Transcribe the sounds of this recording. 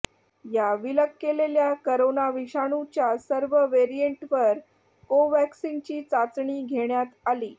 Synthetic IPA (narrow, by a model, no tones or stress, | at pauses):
jaʋiləkːeleljakəɾonaʋiɕaɽ̃ut͡ɕjasəɾʋəʋeɾieɳʈʋəɾ | koʋæksint͡ɕiːt͡sat͡sɳiːɡʱeɳjat̪aliː